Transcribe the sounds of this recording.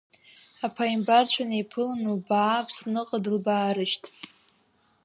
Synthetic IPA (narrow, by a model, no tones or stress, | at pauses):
apʰaimbart͡ɕʷʰanipʰɨlanulbaːpʰsnɨqʼadɨlbaːɾɨʃtʼ